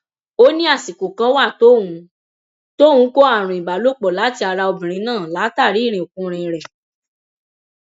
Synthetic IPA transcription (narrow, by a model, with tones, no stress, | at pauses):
o˦nĩ˦a˦˨si˨ku˨kã˧˦wa˦˨to˦˨wũ˧˦ | to˦hũ˨˦ko˦a˦˨ɾ̃ũ˨ĩ˨ba˨lo˨˦k͡pɔ˨la˨˦ti˦a˧ɾa˧o˧bĩ˨ɾ̃ĩ˧˦nãː˦˨la˨˦ta˦˨ɾi˨˦˨ɾ̃ĩ˨o˨kũ˧ɾ̃ĩ˧˨ɾɛ˨